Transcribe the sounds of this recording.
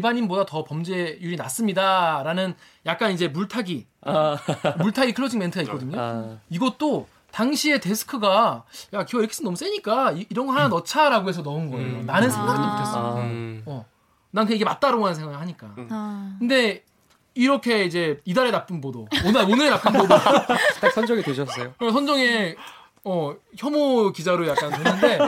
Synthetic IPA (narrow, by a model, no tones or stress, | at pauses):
ibaɲimbodatʌpʌmd͡ʑe̞juɾinas͈ɯmɲidaɾanɯn | jak̚k͈anid͡ʑe̞muɭtʰaɡi | muɭtʰaɡikʰɯɭːod͡ʑiŋme̞ntʰɯɡaikk͈ʌdɯɲoiɡʌt̚t͈o | taŋɕʰie̞te̞sʰɯ̥kʰɯɡajakiɡʌiɾʌkʰe̥s͈ʰɯmnʌmus͈eɲik͈aiiɾʌnŋɡʌɭɦananʌt͡ɕʰaɾaɡoɦe̞sʰʌnʌunɡʌeonanɯnsʰeŋɡaɯmtʰes͈ʌʌ | nankɯeiɡe̞mat̚t͈aɾoɡoɦanɯnsʰe̞ŋwaɡɯɭɦaɲik͈a̰kɯnde̞ | iɾʌkʰe̞id͡ʑe̞idaɾenap͈ɯnbodononɯɾenap͈ɯnbodoasʰʌnd͡ʑʌŋidweɕʰʌs͈ʌjokʌsʰʌnd͡ʑʌŋe̞ | ʌçjʌmokid͡ʑaɾojakk͈aneːɯnde̞